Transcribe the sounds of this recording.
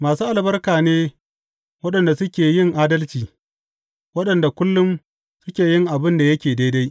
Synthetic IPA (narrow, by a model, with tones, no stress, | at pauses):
maː˨suː˦ʔa˨lbɐ˦rkaː˨neː˦ | wɐ˦ɗɐ˨nda˨sʊ˦kʲeː˨jɪ˦˨ŋʔaː˦dɐ˦lt͡ʃiː˨ | wɐ˦ɗɐ˨nda˨kʷʊ˦lːʊ˦m | sʊ˦kʲeː˨jɪ˦ŋʔa˨bɪ˦nda˨jɐ˦kʲeː˨da˦da˦j